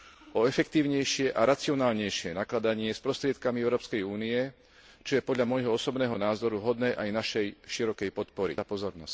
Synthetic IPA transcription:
ɔɛfɛkt̪iːʊɲɛjʃɪɛʔaɾat͡siɔnaːlɲɛjʃɪɛnaklad̪aɲɪɛspɾɔst̪ɾɪɛt̪kamiɛʊɾɔːpskɛjuːniɛ | t͡ʃɔjɛpɔd̪ʎamɔjɦɔɔsɔbnɛːɦɔnaːzɔɾuvɦɔd̪nɛːʔajnaʃɛjʃiɾɔkɛjpɔt̪̚pɔɾḭapɔzɔɾnɔsc

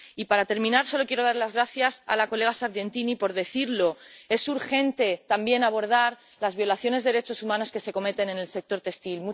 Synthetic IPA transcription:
ipaɾat̪e̞ɾmĩnaɾso̞lo̞kjeɾo̞ð̞aɾlazɣɾaθjasa̰lako̞le̞ɣ̞asaɾʝe̞nt̪inipo̞ɾðe̞θiɾlo̞e̞suɾxe̞nt̪e̞t̪ambje̞naβ̞o̞ɾð̞aɾ | lazβjo̞laθjo̞ne̞zðɾe̞t͡ʃo̞sumãno̞ske̞se̞ko̞me̞t̪e̞ne̞ne̞lse̞k̚t̪o̞ɾt̪e̞st̪ilmu

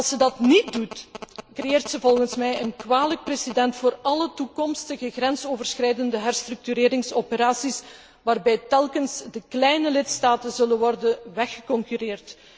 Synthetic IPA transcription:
ɑlˠsədɑtnit̚dutkrejeːrtsəvɔlˠɣənsmɛjənkwaːlək̚presidɛntfoːrɑlətukɔmstəɣəɣrɛnsoːvərsxrɛjdəndəɦɛrstrɵk̚tyɾeːɾɪŋsopəɾaːsis | ʋaːrbɛjtɛlˠkənsdəklɛjnəlɪtstaːtənzɵlənʋɔrdənʋɛxə̥kɔŋkyɾeːrt

